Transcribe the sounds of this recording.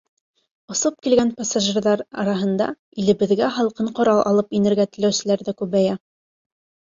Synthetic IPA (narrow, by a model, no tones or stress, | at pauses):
ŏsop̚kilɡænpasaʒɘrðɑɾɑɾɑɦɤ̆nd̪ɑ̰ | ilɘ̆βɘ̆ðɡæɦɑlˠqɤɴqŏɾɑlˠʔɑ̰lˠɤpinɘ̆ɾɡæt̪ɘ̆læwsɘ̆læɾðɘkʉβæjæ